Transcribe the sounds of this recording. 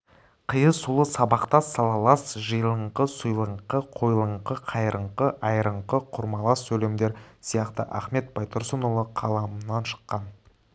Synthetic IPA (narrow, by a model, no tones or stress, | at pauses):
qʰəjəsulˠəsɑbɑqt̪ɑsɑlˠɑlˠɑsʒəjəlˠəɴqəsʊjlˠəɴqəqʰo̞jlˠəɴqəqʰɑjɾəɴqəʔɑjɾəɴqəqʰʊɾmɑlˠɑsːɵlemd̪e̞ɾsijɑqt̪ə̰ʔæχme̞t̪̚bɑjt̪ʰʊɾsənolˠəqʰɑlˠɑmənɑnʃə̥qːɑn